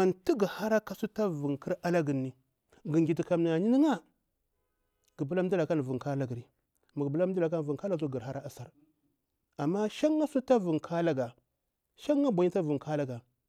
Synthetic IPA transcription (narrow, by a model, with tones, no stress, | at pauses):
ma˨nti˦ɡi˨ha˦ɾa˦ka˦su˦ta˦vu˨ŋkə˦ɾa˦la˦ɡə˨nːi˨ | ɡi˨ɡi˨ti˨ka˨mni˨ŋa˨ɲi˦ni˦ŋa˦ | ɡ̥i˨bu˦la˦m˦du˦la˨ka˦n˨vu˨ŋka˦la˦ɡə˨ɾi˨˦ | ma˨ɡbu˦la˦m˦di˦la˨ka˦n˨vu˨ŋka˦la˦˨˦u˦ɡə˨ɾɦa˦ɾa˦a˨sa˦ɾ | a˨mːa˦ʃa˦ŋːa˦su˦ta˦vu˨ŋkʰa˦la˦ɡa˨ | ʃa˦ŋːa˦bʷa˨ɲi˦ta˦vu˨ŋkʰa˦la˦ɡa˨